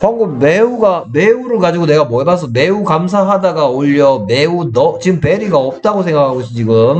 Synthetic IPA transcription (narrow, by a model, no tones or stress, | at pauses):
kaŋɡumeuɡameuɾɯɭkad͡ʑiɡone̞ɡamwʌebas̬ʰʌme̞ukamsʰaɦadaɡaoʎːʌme̞unʌt͡ɕiɡɯmpeɾiɡaʌp̚t͈aɡosʰe̞ŋɡakʰaɡoiɕ͈it͡ɕiɡɯm